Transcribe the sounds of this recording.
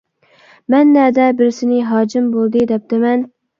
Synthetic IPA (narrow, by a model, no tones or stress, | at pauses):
mɛnːæd̪ɛbɪɾsɪnɪɦɑːd͡ʒɪmbolˠd̪ɨd̪ɛp̚t̪ʰɪmɛn